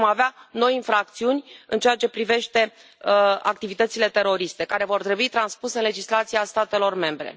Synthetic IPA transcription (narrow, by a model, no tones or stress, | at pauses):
maveano̞jinfɾak̚t̪siunʲɨnt͡ʃeat͡ʃe̞pɾive̞ʃt̪e̞ | a̰k̚t̪ivit̪ət̪sile̞t̪e̞ɾo̞ɾist̪e̞kaɾe̞vo̞rt̪ɾebuit̪ɾanspuse̞ɨnle̞d͡ʒislat̪sijast̪at̪e̞lo̞rme̞mbɾe̞̰